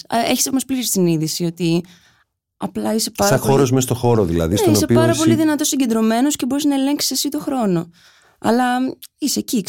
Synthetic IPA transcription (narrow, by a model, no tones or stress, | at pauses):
eçi̥somospliɾisiniðisio̞t̪i | ɐplɐise̞pɐɾɐɐxo̞ɾozmest̪oxo̞ɾoðḭlɐ̰ðistoiose̞ipɐɾɐpo̞liðinɐt̪o̞siɲɟe̞nd̪ɾo̞me̞nosce̞bo̞ɾiznɐele̞ŋksi̥sɐsit̪o̞xɾo̞no̞ | ɐ̰lɐiseci